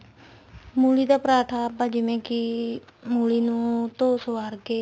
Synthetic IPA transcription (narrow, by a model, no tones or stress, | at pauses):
mulit̪apɾat̪ʰapad͡ʒimẽkimulinũt̪osəwaɾɡe